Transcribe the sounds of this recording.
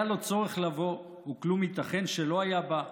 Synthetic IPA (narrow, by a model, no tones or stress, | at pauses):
alo̞t͡so̞ʁeχlavo̞ | uklumit̪aχe̞nʃelo̞ajaba